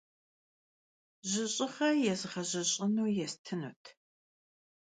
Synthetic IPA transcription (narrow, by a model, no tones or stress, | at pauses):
ʑɪɕʼɪχɐjɛzɨʁɐʑɐɕʼɪnuːjɛstʰɨnṵtʰ